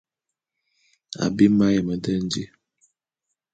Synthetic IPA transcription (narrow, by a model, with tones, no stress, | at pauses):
a̰˨bi˦ma˦jə˨mə˨də˦n˦d͡ʒi˦